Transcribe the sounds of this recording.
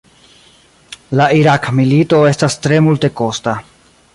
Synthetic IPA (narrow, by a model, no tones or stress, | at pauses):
laiɾakmilito̞e̞stastɾe̞multe̞ko̞sta